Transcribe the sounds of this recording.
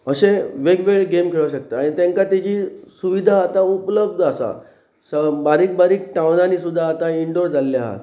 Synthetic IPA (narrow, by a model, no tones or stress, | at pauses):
əɕeʋeɡʋeɭɡemkʰeɭəɕək̚t̪aaɽ̃it̪ẽŋkat̪id͡ʑiːsuʋid̪ʱaːt̪aupləb̚d̪əsa̰ | səbaɾiːk̚baɾiːk̚ʈawnaniːsud̪ʱːaːt̪aiɳɖoɾd͡zalːja̰ɦa̰t̪